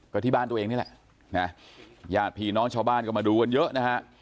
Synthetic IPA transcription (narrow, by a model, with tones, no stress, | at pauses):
kɔː˧˩t̪ʰiː˦˧˩ɓaː˧nt̪u˧ʔe˧ŋni˦˥lɛ̰ː˧˨ʔ | na˦˥jaː˨˩t̪̚pʰi˧˩nɔː˨˦˥ŋt͡ɕʰaː˧wɓaː˧nkɔː˧˩maː˨˩ɗuː˧˩kə˧njə˦˥ʔnaː˦˥ha˦˥